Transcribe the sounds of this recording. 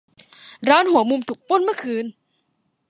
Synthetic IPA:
ɾɔː˦˥nhu˨˩˦əmu˧mt̪ʰu˨˩k̚po˧˥˩nmɯ˥˩kʰɯː˧n

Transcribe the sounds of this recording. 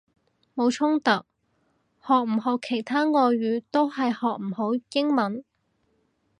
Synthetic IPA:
mo˨˧wt͡ʃʰʊ˥ŋt̪ɐ˨k̚ | hɔː˨k̚m̩˨˩ɦɔː˨˧kʰːe˨˩jt̪ʰaː˥ŋɔː˧jɥyː˨˥t̪o˥whɐ˨jhɔː˨k̚m̩˨˩ho˨˥wjɪ˥ŋmɐ˨˥n

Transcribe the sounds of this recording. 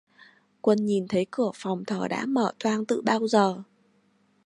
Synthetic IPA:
kwə˧nɲi˨˩nt̪ʰə˨˦jkɨ˧˩əfa˨˩wŋ͡mt̪ʰəː˧˩ɗa̰ː˧˥məː˧˩t̪ʰwaː˧ŋt̪ɨ̰˧˨ɓaː˧wzəː˨˩

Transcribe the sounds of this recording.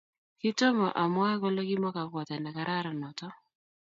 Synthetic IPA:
ki˦tɔ˦ma˨ʔa˨mwa˦ɛ˦kɔ˦lɛ˦ki˦ma˦ka˨kwa˨ta˨na˨ka˨ɾa˦ɾa˨nɔ˨tɔ˦

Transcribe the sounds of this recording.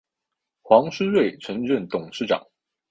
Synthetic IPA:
xwɑ˧˥ŋʂɻ̩˥we˥˩ɪʈ͡ʂʰɤ˧˥ŋɻə˥˨nt̪ʊ˨˩ŋʂɻ̩˥˩ʈ͡ʂɑ̰˨˩˦ŋ

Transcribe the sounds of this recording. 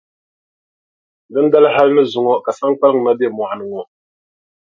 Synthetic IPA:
dɨ˦n˦da˦lɨ˦ɦa˦lɨ˦nɨ˦zʊ˨ŋɔ˦ka˨sa˦ŋk͡pa˦lɨ˦ŋ˨na˦be˦˨mɔ˨ha˨nɨ˨ŋɔ˦

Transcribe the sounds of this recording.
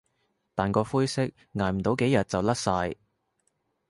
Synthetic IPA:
t̪aː˨˩nkɔː˧fuː˥jsɪ˥k̚ | ŋaː˨˩jm̩˨˩t̪o˨˥wke˨˥jɐ˨t̚t͡sɐ˨wlɐ˥t̚saː˧j

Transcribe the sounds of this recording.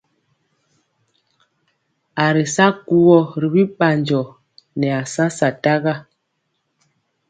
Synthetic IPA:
a˨ɾi˨sa˦ku˦wɔ˦˨ɾi˨bi˦ɓa˨ɲd͡ʒɔ˨ | nɛ˨a˨sã˦sa˨ta˦ɣa˦

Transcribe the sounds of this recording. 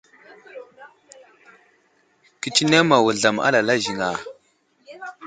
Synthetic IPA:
ki˨t͡ʃi˦ne˦ma˨wu˨ɮa˨ma̰˦la˨la˦ʒi˨ŋa˨

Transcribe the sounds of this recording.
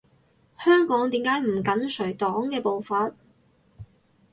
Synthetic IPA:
hœː˥ŋkɔː˨˥ŋt̪iː˨˥mkaː˨˥jm̩˨˩kɐ˨˥nsɵ˨˩ɥt̪ɔː˨˥ŋkɛː˧po˨˧wfaː˧t̚

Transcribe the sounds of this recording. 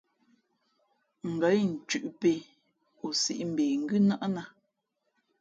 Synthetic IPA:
ŋ̩˨ɡə˨˦jn̩˨t͡ʃʉ˨ʔpe˦ | o˨sḭ˨ʔm̩˨beː˨ŋ̩˦ɡʉ˦na˦ʔna˦

